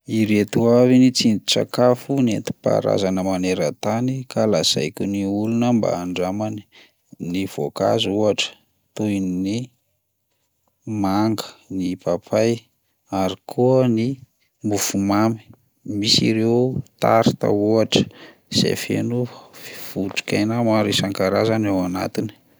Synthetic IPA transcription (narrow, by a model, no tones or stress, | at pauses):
iɾet̪uavinit͡sinit͡sa̰kafunet̪i̥pa̰ɾa̰zanəmaneɾət̪anikalaz̥a̰jkʲuniulunəmba̰ːɳɖ͡ʐamani̥ | niv̥oka̰zuaʈ͡ʂə̥ | t̪ujnni | maŋɡə̥nipapʰaj | aɾikʰuəni | mufumami̥ | misḭɾewt̪aɾit̪a̰uaʈ͡ʂə̥ | z̥ḛfḛnufuʈ͡ʂi̥kʲajnamaɾisaŋkaɾazanewana̰t̪ini̥